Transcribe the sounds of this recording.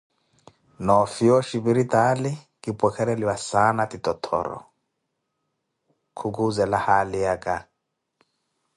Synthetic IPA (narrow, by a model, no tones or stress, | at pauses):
nɔfiɔʃibiɾitali | kipʼwɛkʰɛɾɛliwasanatitɔtʰɔ̰ɾɔ̰ | kʰukuzɛlahalijakʼa